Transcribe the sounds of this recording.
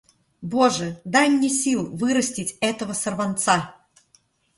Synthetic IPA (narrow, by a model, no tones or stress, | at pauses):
boʐɨd̪ajmnʲesʲilˠvɨɾəsʲtʲɪtʲɛt̪əvəsərvɐnt̪sa